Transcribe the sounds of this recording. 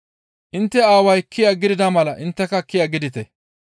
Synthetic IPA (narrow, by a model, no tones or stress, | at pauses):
ʔɪnt̪ːɛaːwɐjkːɪjaɡɪd̪ɪd̪ɐmɐlɐʔɪnt̪ːɛkɐkːɪjaɡɪd̪ɪt̪ɛ